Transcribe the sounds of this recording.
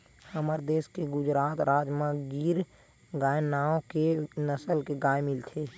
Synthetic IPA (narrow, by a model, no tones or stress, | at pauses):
həməɾd̪eːskeɡʊd͡ʒɾaːt̪ɾaːd͡ʒmãɡiːɾ | ɡaːenaːõkenəsəlkeɡaːemɪlt̪ʰeː